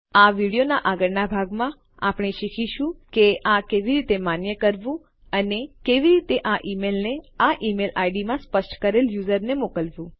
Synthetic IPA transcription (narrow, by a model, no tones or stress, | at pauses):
aʋiɽijonaʔaɡəɾnabʱaɡmã | apɳ̃eʃikʰiʃũkeakeʋiɾit̪emanjəkəɾʋũ | ənekeʋiɾit̪eʔaʔimelneaʔimelʔajɖimãspəʃʈkəɾeljuzəɾnemokəlʋũ